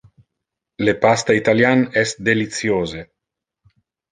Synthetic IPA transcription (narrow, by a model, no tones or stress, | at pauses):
lepast̪ait̪aljanɛsd̪elit̪sjoːze